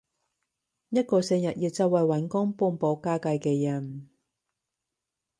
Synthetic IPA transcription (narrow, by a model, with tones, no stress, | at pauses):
jɐ˥t̚kɔː˧sɛː˧ŋjɐ˨t̚jiː˨˧wt͡sɐ˨˧wɐ˨jwɐ˨˥nkʊ˥ŋpuː˧npɔː˨˥kaː˥kɐ˧jkɛː˧jɐ˨˩n